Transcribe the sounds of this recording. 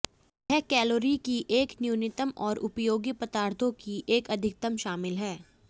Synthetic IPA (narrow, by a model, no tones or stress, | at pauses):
ɦɛkɛːloːɾikiʔeːknjuːnɪt̪əmɔːɾʔʊpjoːɡipət̪aːɾt̪ʰõkiʔeːkɐd̪ʱɪk̚t̪əmʃaːmɪlɦɛː